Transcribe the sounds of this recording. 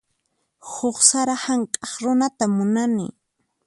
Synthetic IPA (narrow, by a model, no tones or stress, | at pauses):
hʊχsaɾahaŋkʼɑχɾʊnat̪amʊnanɪ̰